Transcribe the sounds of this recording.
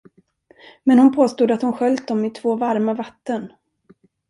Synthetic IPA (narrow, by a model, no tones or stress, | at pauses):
mɛnhʊnpʰoːst̪uːd̪at̪hʊnɧœlt̪̚d̪ɔmɪt̪ʰv̥oːvaɾmavat̪ːən